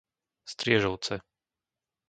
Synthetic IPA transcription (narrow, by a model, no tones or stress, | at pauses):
st̪ɾɪɛʒɔʊt͡sɛ